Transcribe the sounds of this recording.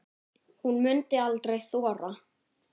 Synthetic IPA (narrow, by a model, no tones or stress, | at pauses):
hunmʏnt̪ɪalt̪ɾejθɔːɾa